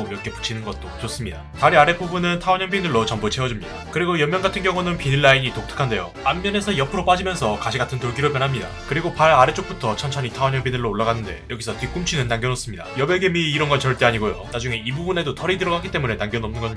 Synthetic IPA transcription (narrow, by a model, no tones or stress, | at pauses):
iɾʌkʰe̞pu̥t͡ɕʰinɯnɡʌt̚t͈ot͡ɕos͈ɯmɲida̰taɾiaɾe̞pʰubunɯntʰaoɲʌmbinɯɭːot͡ɕʌmbut͡ɕʰewʌd͡ʑumɲid̥akɯɾiɡojʌmjʌŋɡatʰɯnɡjʌŋunɯnpinɯɭːaiɲitok̚tʰɯ̥kʰande̞jo̰ | ambjʌne̞sʰʌjʌpʰɯɾop͈ad͡ʑimjʌnsʰʌkaɕʰiɡatʰɯntoɭɡiɾɯɭp̬jʌnɦamɲida̰kɯɾiɡopaɭaɾet͡ɕ͈ok̚p͈utʰʌt͡ɕʰʌnt͡ɕʰʌɲitʰaoɲʌmbinɯɭːoːɭːaɡanːɯnde̞̰jʌɡisʰʌtik͈umt͡ɕʰinɯnːaŋɡjʌnʌs͈ɯmɲida̰jʌbjeɡemiːɾʌnɡʌt͡ɕʌɭt͈e̞aɲiɡojo̰nad͡ʑuŋe̞ibubune̞dotʰʌɾidɯɾʌɡaɡit͈e̞mune̞naŋɡjʌnʌmnɯnɡʌ